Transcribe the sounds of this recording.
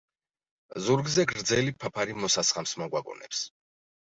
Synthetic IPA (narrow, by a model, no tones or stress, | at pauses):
zuɾɡzɛɡɾɾd̪zɛlipʰapʰaɾimɔsasχamsmɔɡwaɡɔ̰nɛ̰ps